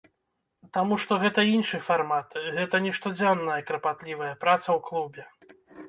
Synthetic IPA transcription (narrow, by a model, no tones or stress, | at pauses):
t̪amuʂt̪ɔɣɛt̪ɐinʂɨfarmat̪ɣɛt̪ɐnʲɛʂt̪ɔd͡zʲanːɐjɐkɾɐpat̪lʲivɐjɐpɾat̪sɐwklˠubʲɛ